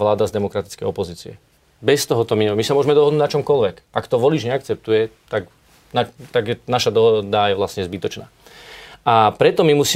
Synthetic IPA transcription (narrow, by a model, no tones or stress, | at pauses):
ʋlaːd̪azd̪ɛmɔkɾat̪i̥t͡skɛjɔpɔziːt͡siɛ̰ | bɛst̪ɔɦɔt̪ɔmiɲmisamʊɔʒmɛd̪ɔɦɔd̪uɟnat͡ʃɔmkɔlʋɛkʔakt̪ɔʋɔliːʒɲɛakt͡sɛp̚t̪ujɛt̪ak | nat̪aɡjɛnaʃad̪ɔɦɔd̪ajɛʋlastɲɛzbit̪ɔt͡ʃna̰ː | ʔapɾɛt̪ɔmimusiː